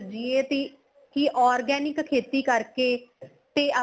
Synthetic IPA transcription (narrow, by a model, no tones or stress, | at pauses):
d͡ʒɪeːt̪eː | kiːʔɔːɾɡɛːnɪkkʰeːt̪iːkəɾkeː | t̪eːʔə